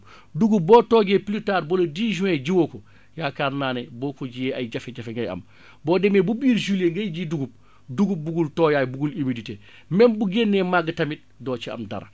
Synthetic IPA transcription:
duɡup̚boːtoːɡeplitaːɾbolodiʒuẽɟiwoko | jaːkaːɾnaːneboːkoɟijeajɟafeɟafeŋɡaja̰m | boːdemebubiːɾʒuleŋɡajɟiduɡup̚ | duɡup̚buɡultojaːjbuɡulimidite | mɛnbuɡeːnːemaɡətamit̚doːt͡ʃiɐ̰mda̰ɾa̰

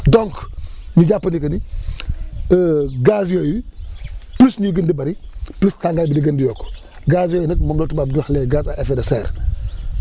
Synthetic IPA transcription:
doŋknid͡ʒapːənikɐni | əɡasjoji | plusnuɡəndibɐɾiplustaŋɡabidiɡəndijoːk | ɡasjoːjinɐkmɐmlotubaːbduxleːɡaːs̬aʔefedɐseːɾ

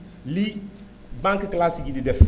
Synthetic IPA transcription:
li | bãŋkklasiɡididɛf

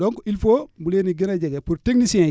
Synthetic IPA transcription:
ɔŋkɔʔilfobuleniɡinaɟeɡepuɾteɡnisiɛ̃

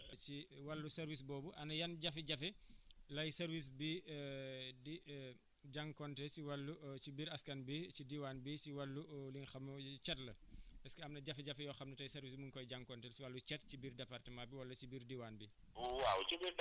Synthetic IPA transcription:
t͡ʃiwɐlːusɐɾwis̬bɔːbuʔɐnɐjɐnɟɐfiɟɐfɛlɐjsɐɾwis̬bi | di | ɟaŋkɔntɛsiwɐlːut͡ʃibiɾɐskɐnbit͡ʃidiwanbit͡ʃiwɐlːulinxɐmːɐt͡ʃɛtlɐpɛskɐɐmnɐɟɐfɛɟɐfɛjɔxɐmnɐtɐjsɐɾvismuŋkɔjɟaŋkɔntɛlsiwɐlːut͡ʃɛt̚t͡ʃibiːrdɛpartəmabiwɐlːɐt͡ʃibirdiwanbi | wawt͡ʃibiɾ

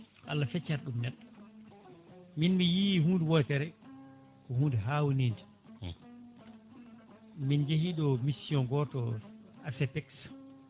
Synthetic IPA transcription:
ʔa̰lːafɛt͡ʃːaɾɗumnɛɗːɔ | minmijihuːndɛwɔjtɛɾɛ | kɔhuːndɛɦaːwuniːndi | mind͡ʒehiɗɔmisiɔnɡɔtɔasɛpɛks

